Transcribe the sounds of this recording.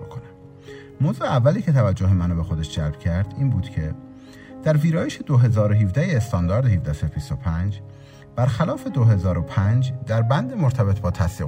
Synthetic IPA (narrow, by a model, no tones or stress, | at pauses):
kʰonæ | moːzuːeævːæliːcʰe̞t̪ʰævæd͡ʒːoɦemænobe̞xo̞d̪eʃd͡ʒælb̥cʰæɾd̪̥iːnbuːd̪cʰe̞ | d̪̥æɾviːɾɒːjeʃe̞d̪oɦe̞zɒːɾoɦiːvd̪æjeːst̪ɒːnd̪ɒːɾd̪ehivd̪æsefist̪opʰænd͡ʒ | b̥æɾxælɒːfe̞d̪oɦe̞zɒːɾopʰænd͡ʒd̪æɾbænd̪emoɾt̪ʰæbe̞t̪ʰbɒːt̪ʰæsd̪iː